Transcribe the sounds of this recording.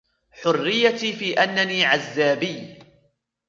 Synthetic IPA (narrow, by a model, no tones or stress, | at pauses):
ħʊrːɪjːat̪iːfiːʔanːaniːʕazːaːbɪjː